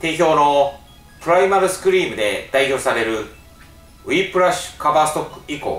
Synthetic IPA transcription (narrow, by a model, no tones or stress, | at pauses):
t̪e̞çʲo̞ːno̞ | pɯ̟ɾaimaɾɯsɨ̥kɯ̟ɾʲiːmɯ̟d̪e̞d̪̥aiço̞ːsaɾe̞ɾɯ̟ | ɯ̟ipɯ̟ɾaɕɨ̥kabaːsɨ̥t̪o̞kːɯ̟̥iko̞̰ː